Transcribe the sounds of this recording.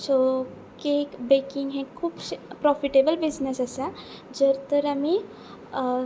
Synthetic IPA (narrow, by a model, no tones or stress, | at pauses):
so | kekbekiŋɡɦẽkʰuːppɾɔfʰiʈebəlbid͡ʒnesasa | d͡ʒəɾt̪əɾami